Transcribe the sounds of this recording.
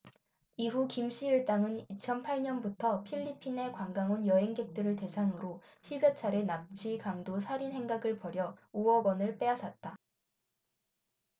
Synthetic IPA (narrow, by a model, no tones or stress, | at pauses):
iɦukimɕ͈iɯɭt͈aŋɯnit͡ɕʰʌnpʰaɭɲʌnbutʰʌpʰiʎːipʰine̞kwaŋɡaŋonjʌɦeŋɡe̞k̚t͈ɯɾɯɭte̞sʰaŋɯɾoɕʰibjʌt͡ɕʰaɾenap̚t͡ɕʰikaŋdosʰaɾinɦe̞ŋɡaɡɯɭpʌɾjʌuʌɡʌnɯɭp͈e̞asʰat̚t͈a